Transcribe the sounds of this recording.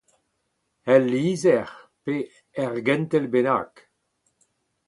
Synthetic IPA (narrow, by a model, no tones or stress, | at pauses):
ɛlːiːzɛʁpe | ɛʁɡɛnt̪ɛlbena̰ːk